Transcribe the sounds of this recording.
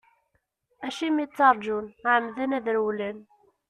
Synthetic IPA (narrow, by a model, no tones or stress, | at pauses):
ʔæʃimit͡sːɑɾˤd͡ʒunʕamðænæðəɾwlæn